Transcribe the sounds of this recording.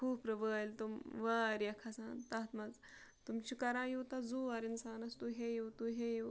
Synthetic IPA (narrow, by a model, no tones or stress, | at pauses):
kʰuːpɾɐʋəːlt̪umʋaːɾjɐkʰɐsaːnt̪ɐt̪mɐz | t̪umt͡ʃʰikɐɾãːjuːt̪ɐd͡zuːɐɾinsaːnɐst̪uɦejuːt̪uɦeju